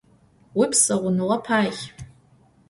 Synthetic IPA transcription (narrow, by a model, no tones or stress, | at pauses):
wipʰsaʁʷʊnlapʰaːχʲ